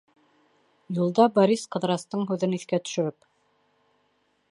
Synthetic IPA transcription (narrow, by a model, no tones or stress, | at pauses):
julˠd̪ɑbɑɾisqɤ̆ðɾɑst̪ɤɴɦʉðɘniθkæt̪ɵ̥̆ʃɘ̆ɾɘp